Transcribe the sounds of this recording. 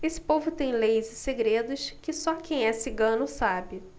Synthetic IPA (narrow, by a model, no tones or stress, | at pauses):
esɪ̥povʊt̪ẽj̃lejzɪseɡɾed̪ʊʃkɪsɔkʰẽj̃ɛsɪɡɐ̃nʊsabɪ